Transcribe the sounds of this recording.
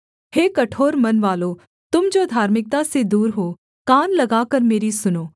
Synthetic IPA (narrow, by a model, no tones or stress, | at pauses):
heːkɐʈʰoːɾmɐnʋaːloː | t̪ʊmd͡ʒoːd̪ʱaːɾmɪk̚t̪ased̪uːɾɦoː | kaːnlɐɡaːkəɾmeːɾisʊnoː